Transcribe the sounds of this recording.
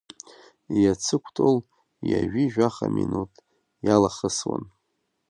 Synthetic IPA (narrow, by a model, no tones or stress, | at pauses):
jat͡sʰɨkʷʰtʼol | jaʒᶣiʒᶣaχaminutʼ | jalaχəswa̰n